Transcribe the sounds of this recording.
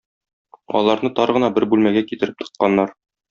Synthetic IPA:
ɒ̰lˠɑɾnɤt̪ɒɾʁɤ̆nɑbɘɾbʉlmæɡækit̪ɘ̆ɾɘp̚t̪ɤ̥̆qːɑnːɑɾ

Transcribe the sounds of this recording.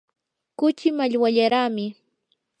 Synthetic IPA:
kʊt͡ʃɪmaʎwaʎaɾaːmɪ

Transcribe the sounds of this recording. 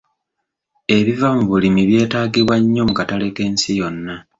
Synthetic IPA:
e̞βivamuβulimiβje̞ːtaːɡiβwaɲːo̞mukatale̞ke̞ːnsijo̞nːa

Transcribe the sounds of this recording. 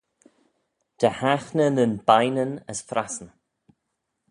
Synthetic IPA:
d̪̥əhaxnənənbajnənəsfɾasn

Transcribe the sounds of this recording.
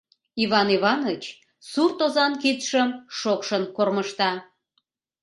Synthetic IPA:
iβɑniβɑnət͡ɕ | surt̪ozɑnkit̪ʃəmʃokʃənkorməʃt̪ɑ

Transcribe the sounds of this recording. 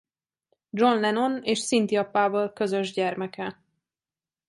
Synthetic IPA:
d͡ʒo̞nlɛno̞neːʃsint̪iɒpːaːbolkø̞zø̞ʒɟɛrmɛkɛ

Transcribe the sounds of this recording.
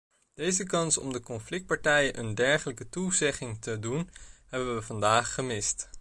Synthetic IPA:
d̥ejzəkɑnsɔ̰mdəkɔnflɪk̚t̚pɑɹtɛjənʔəndɛɹχələkətuzɛχɪŋtədunɦɛbəəʋəvɑndaːχːəmɪst

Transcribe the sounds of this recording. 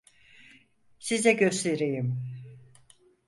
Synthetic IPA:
sizɛɟø̞st̪ʰe̞ɾejim

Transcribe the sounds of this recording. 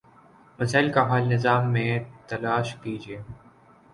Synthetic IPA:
mɐsaːɪlkaɦaːlnɪzaːmːẽt̪ɐlaːʃkiːd͡ʒieː

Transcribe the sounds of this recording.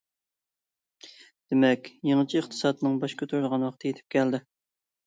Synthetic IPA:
d̪̥emɛkʲjeŋɨt͡ʃʰiəχt̪ʰɨ̥sɑːd̪ɨnɨŋbɑʃkʲʰøt̪ʰuɾd̪əʁɑnwɑqt̪ʰɨjet̪ʰɪ̥p̚kʲʰɛld̪ɪ

